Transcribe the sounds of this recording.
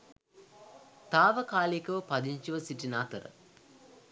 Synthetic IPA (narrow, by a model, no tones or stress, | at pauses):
t̪aːʋəkaːlikəʋəpad̪iɲt͡ʃiʋəsiʈinaːt̪əɾə̰